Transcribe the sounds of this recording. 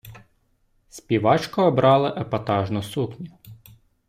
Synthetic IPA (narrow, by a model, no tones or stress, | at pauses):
sʲpʲiʋɑt͡ʃkɔːbɾɑlˠɪʔɐpɐt̪ɑʒnʊsuknʲʊ